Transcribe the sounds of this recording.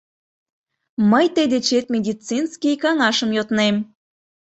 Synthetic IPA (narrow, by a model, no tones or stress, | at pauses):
məjt̪ed̪et͡ɕet̪mʲed̪ʲit͡sinskʲijkɑŋɑʃəmjot̪nem